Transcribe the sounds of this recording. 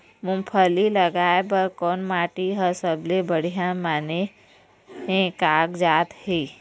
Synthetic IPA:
mʊ̃mpʰəliləɡaːebəɾkɔːnmaːʈiɦəsəblebəɽ̤ijãmaːne | ɦẽkaːɡd͡ʒaːt̪hiː

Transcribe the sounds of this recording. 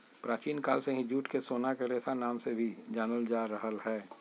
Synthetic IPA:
pɾaːt͡ʃiːnkaːlseɦĩd͡ʒuːʈkesoːnakeɾeːsanaːmsebʱid͡ʒaːnəld͡ʒaːɾəɦəlɦɛː

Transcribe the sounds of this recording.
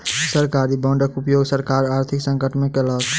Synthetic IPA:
səɾkaɾibəɳɖəkupjoɡsəɾkaɾaɾt̪ʰiksə̃ŋkəʈmẽkelət̪

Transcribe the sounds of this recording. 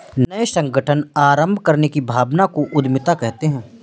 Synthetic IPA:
nnɐesɐ̃ŋɡʱəʈʰənaːɾə̃mbʱkɐɾnekibʱaːbnakoʔʊd̪mɪt̪akɛɦt̪eɦɛ̃ː

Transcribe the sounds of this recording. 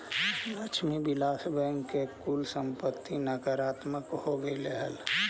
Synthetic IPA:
lət͡ʃʰmibilaːsbəŋkkekulsə̃mpət̪ːinakəɾaːt̪məkhoɡəileɦəl

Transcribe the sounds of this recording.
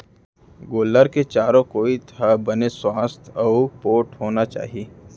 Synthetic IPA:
ɡoːlːəɾket͡ʃaːɾõkoːit̪ʰabɐneswaːst̪ʰɐpoːʈɦoːnat͡ʃa̰ːɦieː

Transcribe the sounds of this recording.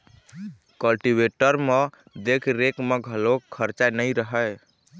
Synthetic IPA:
kəlʈibeʈəɾme | d̪ekʰɾekmeɡʱəlokʰəɾt͡ʃanəjɾəɦəj

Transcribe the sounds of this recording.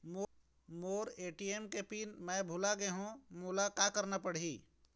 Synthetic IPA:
mo | moːɾeːʈiemkepiːnmɛ̃bʱʊlaɡeɦũmʊlakakəɾnapəɽ̤iː

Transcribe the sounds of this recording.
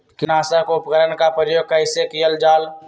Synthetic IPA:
kɪnaːsəɦkoʊpəkəɾənkapəɾjoːɡ̚kəɪsekijəld͡ʒaːl

